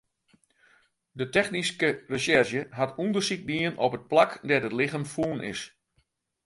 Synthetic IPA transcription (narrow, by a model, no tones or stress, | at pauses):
dətɛxniskərəʃɛrʃjəɦatundərsik̚diənɔpət̚plakdɛrətlɪɣəmfuənʔɪ̰s